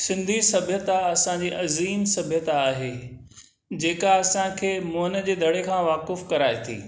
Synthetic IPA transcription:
sɪ̃nd̪ʱisɐbʱjət̪aɐsãd͡ʑiːʔɐziːmsɐbʱjət̪aaːɦe | d͡ʑeːkaɐsãkʰeːmoɦnə̆d͡ʑeːd̪ʱɐɽ̤ekʰãːʋaːkɪfkɐɾaːet̪ʰḭː

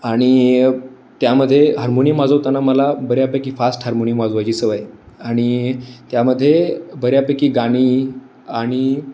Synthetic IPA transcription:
aɽ̃i | t̪jaməd̪ʱːjeɦaɾmoniəmad͡zət̪anaməlabəɾjapəkiːfasʈɦaɾmonimad͡zuʋajt͡ɕiːsəʋaj | aɽ̃it̪jaməd̪ʱːjebəɾjapəkiːɡaɽ̃i | aɽ̃i

